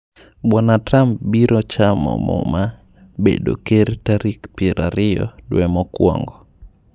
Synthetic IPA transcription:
bɔnatɾampbiɾot͡ʃamɔ̰mɔ̰ma | bḛdo̰keɾtaɾikpiɾaɾɪjɔ̰dwɛmɔkwɔ̰ŋɡɔ

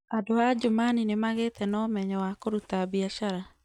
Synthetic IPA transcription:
adoad͡ʒomaninemaɣet̪ɛnɔmɛɲɔwakoɾut̪abiaʃaɾa

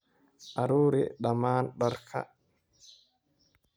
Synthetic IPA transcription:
ʔaɾuːɾɛ̰ɗamaːnɗaɾkʰa̰

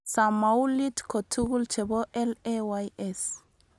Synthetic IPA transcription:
samawlitkʰɔtʰuɣult͡ʃɛbɔʔɛlɛwajɛs

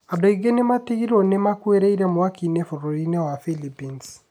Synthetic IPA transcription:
adoiɡenematiɣiɾonemakweɾeiɾɛmowakinefoɾoɾinewafilipins

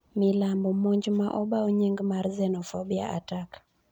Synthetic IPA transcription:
milambɔmoɲd͡ʒmaʔɔbaoɲeŋɡmarzɛnɔfɔbia̰ʔa̰tak

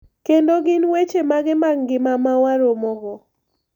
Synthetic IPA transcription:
kendoɡɪnwet͡ʃemaɡɪmaŋɡɪmamawaɾomɔɡɔ

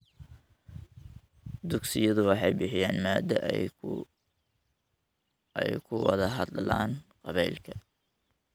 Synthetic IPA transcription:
d̪ʊɡsɪjɐðʊwɑħɑjbɪħɪjaːnmaːd̪ɐ | ɛ̰jkʰʊwɑ̰ðɐɦɑd̪la̰ːnqɑβɛjlkʰɐ

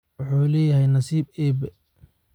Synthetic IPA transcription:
wʊħuːlɛːjɐɦɛjnɐsiːb̚ɛːbɛ

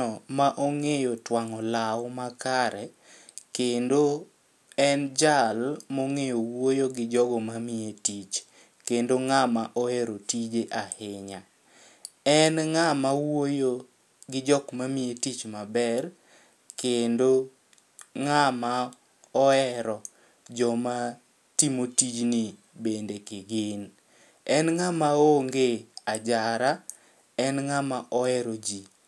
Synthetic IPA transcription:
ɔmaʔoŋejotwaŋɔlawmakaɾɛ | kendo | ɛnd͡ʒalmoŋejowojoɡɪd͡ʒɔɡɔmamietit͡ʃ | kendoŋamaʔɔɛɾotid͡ʒeʔahɪɲa | ɛnŋamawo | ɡɪd͡ʒɔkmamietit͡ʃmabɛr | kendo | ŋama | ɔɛɾɔ | d͡ʒɔma | timotid͡ʒni | bendekɪɡɪn | ɛnŋamaoŋɡead͡ʒaɾa | ɛnŋamaʔɔɛɾod͡ʒi

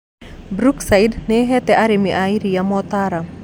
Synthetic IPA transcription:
bɾuksaɪdnɪɦɛt̪ɛʔaɾɪmiʔaiɾijamɔt̪aɾa

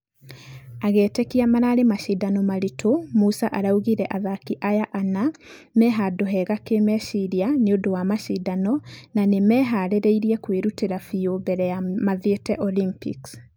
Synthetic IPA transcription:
aɣɛːtɛkiamanaɾemaʃidanɔmaɾitʰomusaʔaɾauɣiɾɛʔaðakiʔajaʔanamɛɦadoɦɛɣakemɛʃiɾianeodowamaʃidanɔnanemɛɦaɾeɾeiɾiɛkweɾuteɾafiobɛɾɛjamaðetɛʔɔlimpḭks

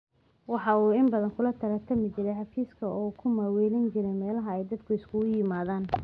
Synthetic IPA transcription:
wɑħɑuːɪmbɐðɐŋkʰʊlɐt̪ʰɐɾɐt̪ʰɐmɪt͡ʃɪɾɛjħɑfiːskʰɐʔɔːkʰʊmaːwɛːlɐnt͡ʃɪɾɛjmɛːlɐɦɐɛjd̪ɐd̪kʰʊɪskʰʊʊjɪmaːðaːn

